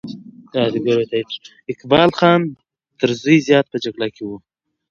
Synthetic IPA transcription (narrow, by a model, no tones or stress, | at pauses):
kɑd̪iɡaɾot̪at̪ɾ | ɪkbɑːlxɑːn | t̪əɾzujzjɑːt̪̚pəd͡ʒaɡlakʰewu